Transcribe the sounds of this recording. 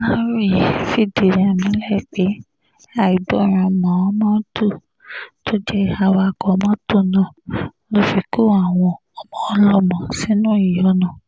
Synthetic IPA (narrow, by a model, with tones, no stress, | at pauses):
nã˦ɾu˦˨ji˨fi˦˨di˨ɾẽ˨a˨mĩ˨˦lɛ˦˨k͡pe˨˦ | a˦˨i˨˦bɔ˦˨ɾ̃ã˧˨mã˨˦mã˦tu˦˨ | to˦d͡ʒɛ˦˧a˧wa˧˨kɔ˨˦mã˦to˦˨nã˧˨ | lo˦fi˧ko˦a˦˨w̃ɔ̃˧ | ɔ˨mɔ̃˨ɔ˧lɔ˦mɔ̃˨si˨˦nũ˦i˨jɔ˨˦nã˦˨